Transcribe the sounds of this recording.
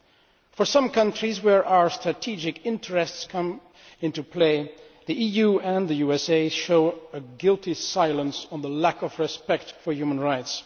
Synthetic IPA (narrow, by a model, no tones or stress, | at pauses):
fə˞sʌ̃mkʰʌ̃ntɹ̥izwəɹʔaʊə˞stɹ̥ɨtʰid͡ʒɨkɪ̃ntʰəɹɛstskʰʌ̃m | ɪ̃ntupʰleɪ | ðiʔijuɨ̃nðɨjuɛseɪʃoʊəɡɪlˠtisaɪlˠə̃nsn̩ðəlækʌvɹɨspɛk̚tfə˞jʉmə̃nɹaɪts